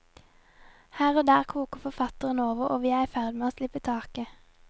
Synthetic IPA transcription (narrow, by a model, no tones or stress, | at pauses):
hæːʁoːd̪æːʁkʰuːkəfɔʁfɑt̪əʁənoːʋəʁo̰ːʋiːæɪæfæʁd̪ɪmeːoːslɪpət̪ʰɑːkə